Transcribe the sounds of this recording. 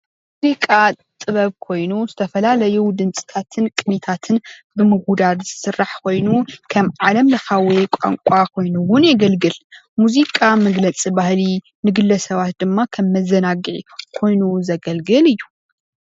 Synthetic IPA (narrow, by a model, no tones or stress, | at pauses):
muzikʼa | t̪ʼɨβɐβkʰo̞jnuzɨt̪ʰɐfɐlalɐjud̪ɨnt͡sʼɨ̥t̪ʰat̪ʰɨnkʼɨnit̪ʰat̪ʰɨnbɨmɨɡud̪ad̪zɨsɨrːaħkʰo̞jnukʰɐmʕalɐmlɐxawekʷʼa̰ŋkʷʼakʰo̞jnuwʊnjɛɡɐlɡɨl | muzikʼamɐɡlɐt͡sʼibahli | nɨɡɨlːɐsɐβat̪̚d̪ɨmːakʰɐmːɐzɐnaɡʕikʰo̞jnuzɐɡɐlɡɨlɨjːu